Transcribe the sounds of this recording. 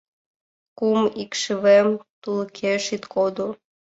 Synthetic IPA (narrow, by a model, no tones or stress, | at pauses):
kumikʃɨβemt̪ulˠkʰeʃit̪kʰod̪o